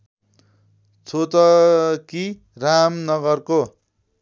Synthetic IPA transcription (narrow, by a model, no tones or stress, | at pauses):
t͡sʰot̪ʌki | ramnʌɡʌrko